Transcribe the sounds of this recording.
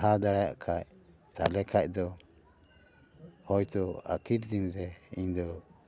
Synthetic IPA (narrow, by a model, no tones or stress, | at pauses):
ɦad̪aɽaja̰ʔkʰaj | t̪a̰lɛkʰac̚d̪ɔ | hɔjt̪ɔa̰kʰiɾd͡ʒ̪inɾɛḭɲd̪ɔ